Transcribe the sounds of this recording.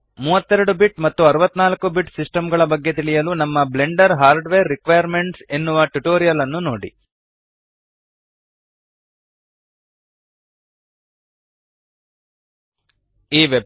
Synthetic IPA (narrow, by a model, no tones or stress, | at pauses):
muːʋɐt̪ːɛɾɐɽubiʈmɐt̪ːuɐɾuʋɐt̪ːnaːlkːubiʈsisʈɐmɡɐɭɐbɐɡːe̞t̪iɭijɐlunɐmːɐble̞ɳɖɐɾɦaːɾɖʋeːɾːikʋɐjɐɾme̞ɳʈse̞nːuʋɐʈuʈoːɾijɐlɐnːunoːɽḭ | iːʋeb